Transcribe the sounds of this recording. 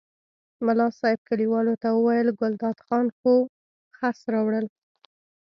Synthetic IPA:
mʊlɑsɑjɪb̚kaɽiwɑlot̪awəwajəlɡʊld̪ɑd̪xɑnxo | xasɾɑwɽəl

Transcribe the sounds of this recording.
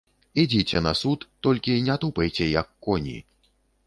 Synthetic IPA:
id͡zʲit͡sʲɛnɐsut̪ːɔlʲkʲinʲat̪upɛjt͡sʲɛjɐkːɔnʲḭ

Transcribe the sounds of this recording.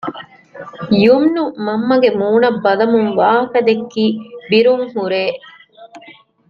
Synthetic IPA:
jumnumɐmːɐɡemuːɳɐbːɐlɐmuŋʋaːɦɐkɐd̪ekːiːbiɾuŋhuɾeː

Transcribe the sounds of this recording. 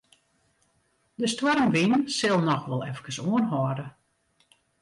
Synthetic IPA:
dəstwɔɾmʋinsɪlˠnɔxʋɔlˠɛfkəsoənɦɔːdə

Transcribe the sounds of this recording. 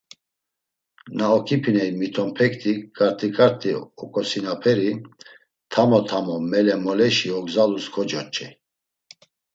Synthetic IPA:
naɔkʰipʰinɛimit̪ʰɔmpʰɛkt̪ʰikʼaɾt̪ʰʼikʼaɾt̪ʰiɔkʼɔsinapʰɛɾi | t̪ʰamɔt̪ʰamɔmɛlɛmɔlɛʃiɔɡzaluskʰɔd͡ʒɔt͡ʃʼɛ

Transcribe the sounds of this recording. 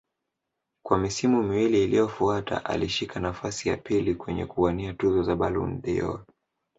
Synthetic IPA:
kwamisimumiwiliːlijɔfuatʰa̰ʔa̰liʃikʰanafasija̰pilikwɛɲɛ̰kuaniatuzɔzaɓalṵndiɔ̰

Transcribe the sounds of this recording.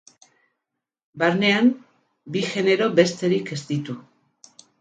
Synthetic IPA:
baɾne̞am | biʝe̞ne̞ɾo̞be̞st̪e̞ɾike̞st̪it̪u

